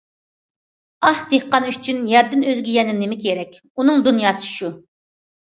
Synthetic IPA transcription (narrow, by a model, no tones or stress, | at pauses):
ɑhd̪ehqɑnyt͡ʃʰynjɛɾd̪ɪnøzɡʲɛjɛnɪnɪmɪkʲʰeɾɛkʲ | unɨŋd̪unjɑːsɨ̥ʃu